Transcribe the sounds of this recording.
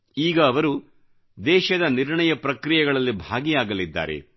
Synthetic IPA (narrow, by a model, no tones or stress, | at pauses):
iːɡɐːʋɐɾu | d̪ɛːʃɐd̪ɐniɾɳɐjɐpɾɐkɾijɛɡɐɭɐlːibʱaːɡijaːɡɐlid̪ːa̰ːɾḛ